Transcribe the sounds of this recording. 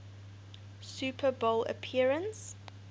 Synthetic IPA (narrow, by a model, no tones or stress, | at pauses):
sʉːpʰəbolə̰pʰiəɹə̃ns